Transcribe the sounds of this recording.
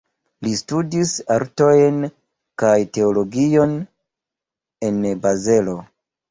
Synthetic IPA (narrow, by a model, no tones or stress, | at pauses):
listudisaɾto̞jn | kajte̞olo̞ɡio̞n | e̞nbaze̞lo̞